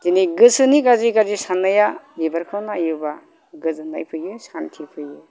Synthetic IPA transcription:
tiniɡɯsɯniɡaziɡazisanːajalibaɾkʰɯwnaːjuba | ɡɯzɯna̰jpʰɯjɯsantʰipʰɯjɯ

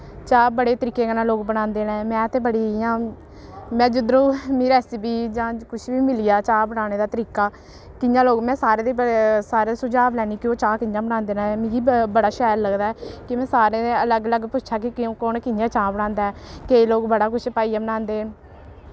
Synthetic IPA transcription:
t͡ʃaːbəɽeːt̪əɾiːkːeːkənãːloːkbənãːnd̪eːnɛ̃ːmɛ̃ːt̪eːbəɽiːɪjãː | mɛ̃ːd͡ʒʊd̪ɾõːmiːɾɛːsibiːd͡ʒãːkʊʃʰbiːmɪlijaːt͡ʃaːbəɽaːneːd̪aːt̪əɾiːkaː | kɪjãːloːɡmɛ̃ːsaːɾeːd̪eːsaːɾeːsʊd͡ʒaːʋlɛːniːkɪoːt͡ʃaːkɪjãːbənãːnd̪eːnãːɛːmɪ̃ːɡiːbəɽaːʃɛːɾləɡd̪aːɛːkɪmɛ̃ːsaːɾeːeələɡələɡpʊt͡ʃːʃʰaːk̬ɪkɪ̃koːnkɪd͡ʒãːt͡ʃãːbəɽãːnd̪aɛːkeːloːkbəɽaːkʊt͡ʃʰpaːiːaːbənãːnd̪eː

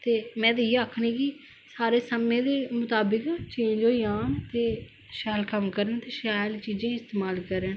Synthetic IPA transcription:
t̪eːmɛ̃ːd̪ejaːkʰnĩːki | saːɾeːsəmẽːd̪eːmʊt̪aːbɪkt͡ʃẽːd͡ʒoːiaːnt̪eː | ʃaːlkəmkəɾənt̪eːʃaːjlt͡ʃiːd͡ʒẽːɪst̪eːmaːlkəɾən

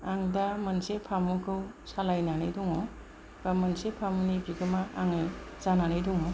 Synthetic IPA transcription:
aŋdamɐnsepʰamɯkʰɯw | salajnanɯjdɔŋɔ | bamɐnsepʰamunibiɡɯmaaŋɯz̥ananɯjdɔŋɔ

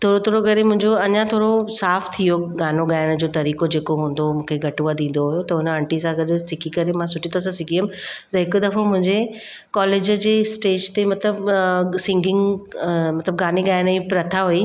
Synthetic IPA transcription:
t̪ʰoːɾot̪ʰoːɾokɐɾemʊ̃ɦɪ̃ɲd͡ʑoɐɲãt̪ʰoːɽosaːft̪ʰijoɡaːnoɡaːɪɽ̃əd͡ʑoːt̪ɐɾiːkod͡ʑeːkoɦũːn̆d̪omũːkʰeɡʱɐʈuʋad̪ĩːn̆d̪oɦʊjot̪ɐʊnəɐ̃ɳʈisãɡɐɗ̆sɪkʰikɐɾemãsʊʈʰit̪ʰos̬ãsɪkʰiəmt̪ɐɦɪkʊd̪ɐfomʊ̃ɦɪ̃ɲd͡ʑe | kɔːleːd͡ʑəd͡ʑeːsʈeːd͡ʑt̪emɐt̪ləbsɪ̃ŋɡɪ̃ŋɡmɐt̪ləb̚ɡaːniɡaːɪɽ̃ĩpɾɐt̪ʰaɦui

